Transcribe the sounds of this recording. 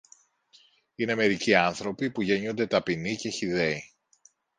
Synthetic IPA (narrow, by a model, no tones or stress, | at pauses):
ine̞me̞ɾiciɐnθɾo̞pipuʝe̞ɲond̪e̞t̪ɐpinice̞çiðe̞i